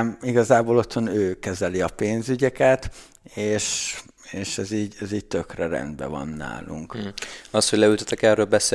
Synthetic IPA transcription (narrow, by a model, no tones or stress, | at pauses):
miɡɒzaːboːlo̞t̪ho̞nøːkɛzɛliɒpeːnzyɟɛkɛt̪ | eːʃ | eːʃɛziːɟɛziːc̚t̪økrɛɾɛ̰nd̪bɛ̰vɒ̰nːa̰ːluŋkɒshoɟlɛylt̪ot̪ːɛkɛrøːlbɛseː